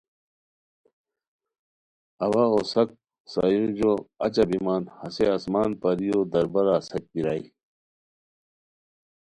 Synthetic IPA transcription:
ɐwaosɐk̚ | sa̰ːjũd͡ʑoːɐt͡ɕɐbimaːnhɐseasmaːnpɐɾijod̪ɐɾbɐɾaːsɐk̚piɾaːi

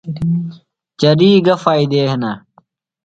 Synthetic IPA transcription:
t͡ɕɐɾiːɡɐfaːid̪eːɦnɐ

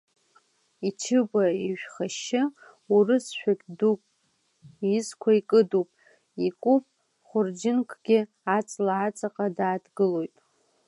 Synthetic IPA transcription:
it͡ʃʰɨbaiʒᶣχaʃɪ | urɨsʃʷᶣakʲdupʼ | izkʷʰaikʼɨdupʼ | ikʼupʼ | χʷʊrd͡ʒɪnkʰʼɡ̥ʲɪ | at͡sʼlaat͡sʼaqʼadaːdɡɨlo̞jtʼ

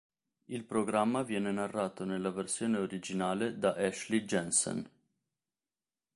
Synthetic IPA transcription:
ilpɾoɡɾamːavjɛːnenarːaːt̪onelːaversjoːneoɾid͡ʒinaːled̪aʔɛʃlid͡ʒɛnsɛ̰n

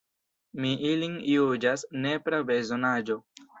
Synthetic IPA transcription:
miʔiliŋjud͡ʒasne̞pɾabezonad͡ʒo̞

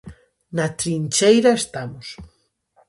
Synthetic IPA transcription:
nat̪ɾint͡ʃejɾaest̪amʊs

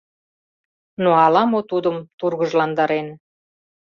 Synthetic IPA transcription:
noɑlɑmot̪ud̪əmt̪urɣəʒlɑnd̪ɑɾen

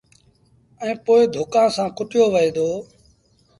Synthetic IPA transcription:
ɛ̃ːpoːɪd̪ʱʊkãːsãːkʊʈɪjoːʋəĩːd̪oː

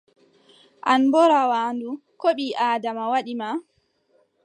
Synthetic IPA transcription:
ʔanbɔɾawaːndukoɓiʔaːdamawaɗima

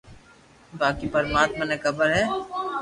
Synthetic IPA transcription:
baːkipɐɾmaːt̪manekɐbəɾɦɛː

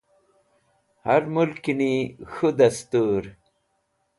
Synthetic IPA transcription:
hɐɾmulkinixud̪ɐst̪uːɾ

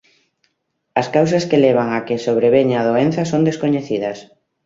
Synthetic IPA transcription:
ɐskawsɐskeleβ̞aŋakɪsoβɾeβeɲað̞oen̟θɐsond̪eskoɲeθiðɐs

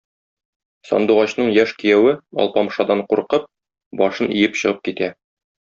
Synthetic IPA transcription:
sɒ̰nd̪uʁɑɕnɤɴjæʃkĭjæwɘɒ̰lˠpɑmʃɑd̪ɑɴquɾqɤp̚ | bɒʃɤnʔḭjɘpɕɤ̆ʁɤp̚kit̪æ

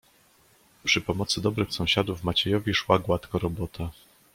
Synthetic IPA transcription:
pʂɘpɔmɔt̪sɘd̪ɔbɾɘxsɔ̃w̃ɕad̪uvmat͡ɕɛjɔvʲiʂwaɡwat̪kɔɾɔbɔt̪a

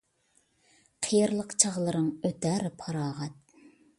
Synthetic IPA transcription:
qʰijɪɾlˠəqt͡ʃʰɑʁlˠɨɾɨŋøt̪æɾɪpʰɑɾɑːʁɛt̪̚

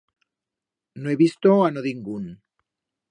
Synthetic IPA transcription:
noeβist̪oanoðiŋɡun

